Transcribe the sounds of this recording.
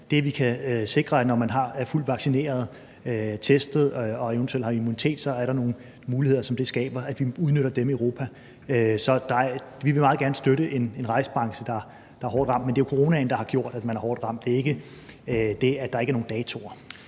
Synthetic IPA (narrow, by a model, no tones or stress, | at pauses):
d̥e̝ʋikʰæse̝ɡ̥ʁɐænɒmænɦɑ̈æɐful̰d̥ʋɑ̈ɡ̥sine̝̰ːɐð̞ˠ | t͡sʰesd̥ð̩ˠɒ̽ent͡sʰuelhɑ̈imunit͡sʰe̝̰ːd̥sɒ̽æɐɾɑ̈no̝ːn̩ | muːlihe̝ð̞̰ˠɐsɒ̽md̥e̝sɡ̥ɛ̰ːb̥ɐæd̥ʋiuð̞ˠnøɾ̥ɐd̥emioʊʁo̝ːpʰæ | øsɒ̽d̥ɑ̈ʋiʋe̝mɑ̈ːðˠɡ̥æɐnəsd̥øɾəʔe̝ne̝nʁɑ̈ɪsə̥b̥ʁɑ̈ŋsəd̥ɑ̈ | d̥ɑ̈æɦɒ̰ːd̥ʁɑ̈m̰d̥mende̝ːjokʰo̝ʁo̝ːnænd̥ɑ̈hɑ̈ɡ̥jo̝ɐ̰d̥æd̥mænæɐhɒ̰ːd̥ʁɑ̈m̰d̥e̝ɐe̝ɡ̥ə | d̥e̝æd̥ɑ̈eɡæɐno̝ːŋnd̥ɛːt͡sʰo̝ɐ